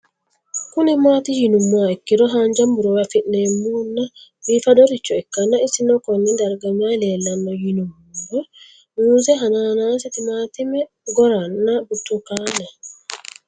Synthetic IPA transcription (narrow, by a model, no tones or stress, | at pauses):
kunɛmaːt̪ijinumːaɛkːiɾɔɦaɲd͡ʒambuɾɔwafinɛmunːawifaɗɔɾit͡ʃːɔɛkːanːaisinɔkɔnːɛdaɾɡamalɛlanːɔjinumudɔ | nuzɛɦananansɛt̪imaːt̪imɛ | ɡɔɾanːabutːukana